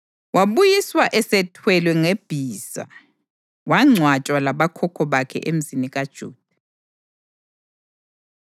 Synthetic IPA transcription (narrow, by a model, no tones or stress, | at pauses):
waβujiswaʔɛsɛtʰwɛlwɛŋeb̥ʱiːz̥a̰ | waŋ͡ǀʱwat͡ʃʼwalaβakʰɔkʰɔβakʰɛ̰ʔem̩ziniɣad̥ʒ̥ʱṵːd̥ʱa